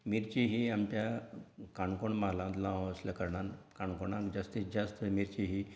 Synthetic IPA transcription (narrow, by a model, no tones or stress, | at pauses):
miɾt͡ɕiɦiamtjakaɳkoɳmaɦlãnt̪laʋəsləkəɾɳankaɳkoɳãd͡ʑast̪isd͡ʑast̪əmiɾt͡ɕiɦi